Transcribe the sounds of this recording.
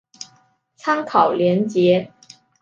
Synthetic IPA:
t͡sʰa˥ŋkʰɑ˨˩ʊljɛ˧˥nt͡ɕjɛ˧˥

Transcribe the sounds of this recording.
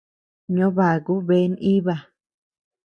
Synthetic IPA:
ɲõ˦βa˨ɣu˦βe˦ni˦βa˧˨

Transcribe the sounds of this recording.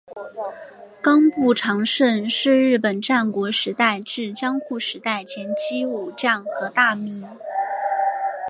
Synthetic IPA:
kɑ˥ŋpu˥˩ʈ͡ʂʰɑ˧˥ŋʂə˥˧nʂɻ̩˥˧ɻɻ̩˥˩pə˨˩nʈ͡ʂa˥˩nkwɔ˧˥ʂɻ̩˧˥t̪a˥˧ɪʈ͡ʂɻ̩˥˩t͡ɕjɑ˥ŋxu˥˩ʂɻ̩˧˥t̪a˥˩ɪt͡ɕʰjɛ˧˥nt͡ɕʰi˥u˨˩ʈ͡ʂa˥˩nxɤ˧˥t̪a˥˩mi˧˥n

